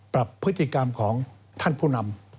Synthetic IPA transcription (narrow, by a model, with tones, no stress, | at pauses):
pɾa˨˩pʰːɾɯ˦˥t̪ʰːi˧˩ka˧mkʰɔː˩˦ŋ | t̪ʰa˥˩npʰuː˥˩na˧m